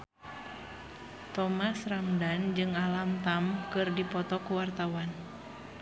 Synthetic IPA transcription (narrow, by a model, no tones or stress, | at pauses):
t̪ɔmasramdand͡ʒɨŋalamt̪amkɨrdipɔt̪ɔkuwart̪awan